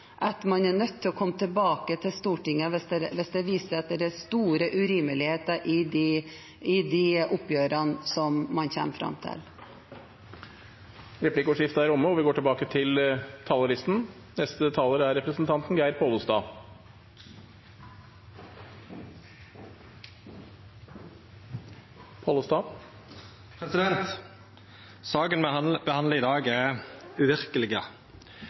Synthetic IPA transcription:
ʔɑt̪mɑnæɳœt̪ʰːɪlɔkʰɔmːət̪ʰɪlbɑːkət̪ʰɪlst̪uːʈɪŋːəʋɛsd̪ɛʋɛsd̪ɛʋiːsəɾɑt̪̚d̪ɛɾæst̪uːɾəʔʉɾiːməlɪheːt̪əɾʔɪ | ɪd̪ɪʔʊpːjøːɾɑnsɔmmɑnçɛ̰mfɾɑ̰mt̪ʰɪ̰l | ɾɛpʰlɪkʊʂɪft̪əæɾʊmːəɔʋɪɡoːʈɪlbɑːkət̪ʰɪlt̪ʰɑːləɾɪst̪n̩ | nɛst̪ət̪ʰɑːləɾæɾɛpɾəsn̩t̪ʰɑnt̪n̩ɡæɪɾpʰɑːlʊst̪ɑː | pʰɑːlʊst̪ɑː | pʰɾɛsɪd̪ɛnt̪ | sɑːkənbəhɑnd̪ləɪd̪ɑːɡɛʉʋɪɾkəlɪɡə

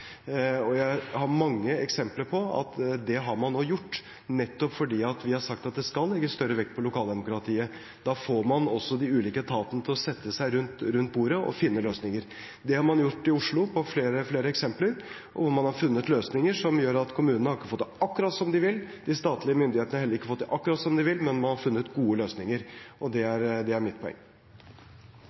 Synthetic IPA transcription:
ɔjæɪhɑɾmɑŋːəɛksɛmpləɾpʰɔɑ̰t̪d̪ɛɦɑɾmɑnːoːjʊʈː | nɛt̪ːɔpfɔɖiːɑt̪ʋɪhɑɾʂɑkt̪ɑt̪̚d̪ɛskɑlːɛɡːəst̪œɾəʋɛkt̪pʰɔlʊkʰɑːld̪ɛmʊkɾɑt̪ʰiːə | d̪̥ɑfoːɾmɑnɔsːɔd̪ɪʉːliːkət̪ʰɑːt̪ənət̪ʰɪlɔsɛt̪ʰːəsæɪɾʉnt̪ɾʉnt̪̚buːɾəʔɔ̰fɪnːəløːsnɪŋəɾ | d̪ɛhɑɾmɑnjʊʈːɪʊʂɭʊpʰɔfleːɾəfleːɾəɛksɛmpləɾ | ʔɔʋʊɾmɑnhɑɾfʉnːət̪løːsnɪŋəʂɔmjøːɾɑt̪kʰʊmʉːnənəhɑɾɪkːəfɔt̪ːɑkːʉɾɑt̪sɔmd̪ɪʋɪlːd̪̥ɪst̪ɑːt̪lɪəmʏnd̪ɪheːt̪ənhɑɾhɛlːɾɪkːəfɔt̪ːʔɑkːʉɾɑt̪sɔmd̪ɪʋɪlmɛnmɑnhɑɾfʉnːət̪ɡuːəløːsnɪŋəɾʔɔd̪ɛæɾd̪ɛæɾmɪt̪̚pʰɔɛ̰ŋː

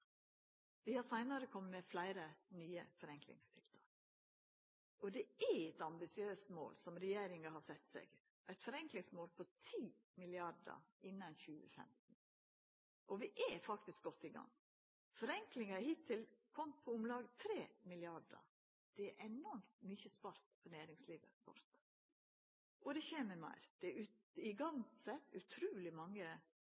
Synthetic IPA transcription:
ʋɪhɑsæɪnəɾəkʰɔmːəmɛflæɪɾənyːəfɔɾɛŋklɪ̰ŋst̪ʰɪ̰lt̪ɑɾ | ɔd̪ɛæɛt̪ɑmbɪsɪøːst̪mo̰ːlsɔmɾɛjeːɾɪŋɑhɑsɛt̪ːsɛ̰ɡ | ʔæɪt̪fɔɾɛŋklɪŋsmoːlpʰɔt̪ʰiːmɪlɪɑɖə̰ɪnːɑnçʉːə̰fɛ̰mt̪n̩ | ʔɔʋɪʔɛfɑkt̪ɪsk̚ɡ̥ɔt̪ːɪɡɑ̰ŋː | fɔɾɛŋklɪŋɑhɪt̪ʰːɪlkʰɔmpʰɔʊmlɑːɡət̪ʰɾeːmɪlɪɑɖə̰ɾ | d̪̥ɛæɾʔɛnɔɾmt̪myːçəspɑɾt̪pʰɔnæːɾɪŋsliːʋə̰kɔ̰ɾt̪ | ʔɔd̪ɛçeːməmæ̰ɪɾd̪̥ɛʉ | ɪɡɑŋsɛt̪ːʉt̪ʰɾuːlɪmɑŋːə

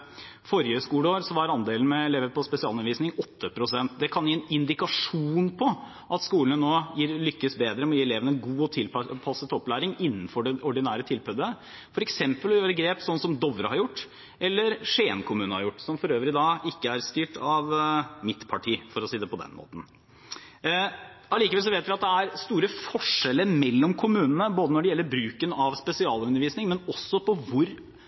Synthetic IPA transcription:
fɔɾjəskuːləoːɾsɔʋɑɾɑnd̪eːln̩mɛɛleːʋəɾpɔspɛsɪɑːlnʋiːsnɪŋɔt̪ːəpʰɾʊsɛnt̪d̪ɛkʰɑnjiːɛnɪnd̪ɪkɑʂuːnpʰɔ | ʔɑt̪skuːləɳənoːjiːɾlʏkːəsbeːd̪ɾəmɛɔjiːɛleːʋənəɛnɡuːɔt̪ʰɪlppʰɑsət̪ɔpːlæːɾɪŋɪnːn̩fɔɖɛɔɖɪnæːɾət̪ʰɪlpœd̪ə | fɔɾɛksɛmpəlɔjøːɾəɡɾeːpsɔnːsɔmd̪ɔʋɾə̰hɑɾjʊʈː | ʔɛlːəɾʂeːnkʰʊmʉːnəhɑɾjʊʈːsɔmfɔɾøːʋɾɪɪd̪ɑːʔɪkːəæɾst̪yːʈʰɑʋmɪt̪pʰɑʈʰiːfɔɾɔsiːd̪ɛpɔd̪ɛ̰nmo̰ːt̪n̩ | ɑliːkəʋɛls̬ɔʋeːt̪ʋɪɑt̪̚d̪ɛæɾst̪uːɾəfɔʂɛləɾmɛlːɔmkʰʊmʉːnənəboːd̪ənɔɖɛjɛlːəɾbɾʉːkənɑʋspɛsɪɑːlʉnːəɾʋiːsnɪŋmɛnɔsːɔpʰɔʋʊɾ

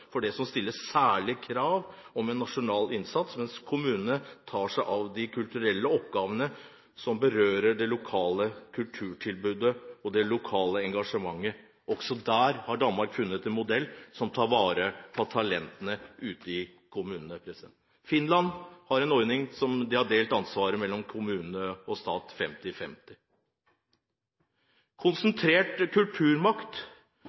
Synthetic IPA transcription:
fɔɖɛsɔmst̪ɪlːəssæːɭɪkʰɾɑːʋ | ɔmɛnːɑʂʊnɑːlɪnsɑt̪smɛnskʰʊmʉːnənət̪ʰɑːʂæɪʔɑʋd̪ɪkʰʉlt̪ʉɾɛlːəɔpɡɑːʋənə | sɔmbəɾøːɾəɖɛlʊkʰɑːləkʰʉlʈ̪ʰʉːʈʰɪlbʉːd̪əɔd̪ɛlʊkʰɑːləɛŋɡɑʂəmɑŋːə | ʔɔksɔd̪æːɾhɑɖɑnmɑɾkfʉnːət̪ɛnmʊd̪ɛlːsɔmt̪ʰɑːɾʋɑːɾəpʰɔt̪ʰɑlɛnt̪ənəʔʉːt̪əɪkʰʊmʉːnənəpʰɾɛs | fɪnlɑnhɑɾɛnɔʏnɪŋsɔmd̪ɪhɑɖeːlt̪ɑnsʋɑːɾəmɛlːɔmkʰʊmʉːnnəɔst̪ɑːt̪fɛmt̪ɪfɛmt̪ɪ | kʰʊnsənt̪ʰɾeːʈkʰʉlʈ̪ʰʉːɾmɑkt̪

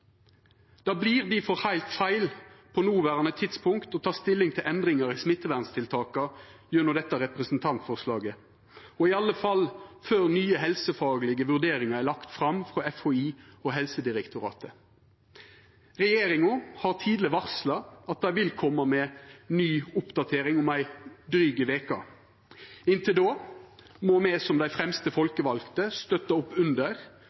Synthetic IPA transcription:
d̪̥ɑːbliːʁd̪ɪfɔʁhæɪlt̪fæɪlpʰɔnuːʋæʁɑnət̪ʰɪt̪spʰʊŋkt̪ɔt̪ʰɑːst̪ɪlɪŋt̪ʰɪlʔɛnd̪ʁɪŋɑʁɪsmɪt̪ːəʋæʁnst̪ʰɪlt̪ʰɑːkɑjʉnəd̪ɛt̪ːɑʁɛpʁəsn̩t̪ʰɑnt̪fɔʁslɑːɡə | ɔɪɑlːəfɑlføːʁnyːəɦɛlsəfɑːɡlɪɡəʋʉʁd̪eːʁɪŋɑʁælɑkt̪fʁɑmfʁoːɛfhoiːɔɦɛlsəd̪ɪʁɛkt̪ʊɾɑ̰ːt̪ə | ʁɛjeːɾɪŋʊhɑːʁt̪ʰiːd̪lɪʋɑʁslɑɑt̪̚d̪æɪʋɪlkʰɔmːəmɛnyːʊpd̪ɑt̪ʰeːɾɪŋʊmæɪd̪ɾyːɡəʋeːkɑ̰ | ɪnt̪ʰɪld̪oː | mɔmɛsɔmd̪æɪfʁɛmst̪əfɔlkəʋɑlkt̪əst̪œt̪əʊpːʉnd̪əʁ

